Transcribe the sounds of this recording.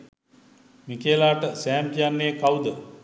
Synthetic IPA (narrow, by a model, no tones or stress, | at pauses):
mikeːlaːʈəsæːmd͡ʒjanːekawd̪ə